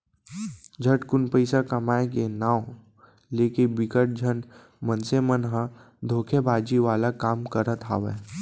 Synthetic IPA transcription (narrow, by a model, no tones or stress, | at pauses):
d͡ʒʱəʈkʊnpəɪsakɐmaːẽkenaːw | leːkinbɪkəʈ̚d͡ʒʱən | mənsemənɦã | d̪ʱoːkʰebʱaːd͡ʒiʋaːlakaːmkəɾət̪ɦa̰ːʋḛ